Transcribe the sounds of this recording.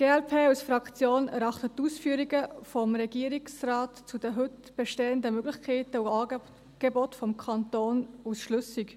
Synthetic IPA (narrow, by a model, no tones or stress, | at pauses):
ɡ̥eːɛlpʰeːusfɾɑkt͡sjoːnɛɾɑχtətːuːsfyːəɾiɡəfɔmɾɛɡ̥iːəɾiksraːtt͡sud̥əɦʏt | b̥ɛʃteːəndəmøɡlɪχkʰeːtəuɑː | ɡ̥ebɔtfɔmkʰɑntoːnusʃlʏsik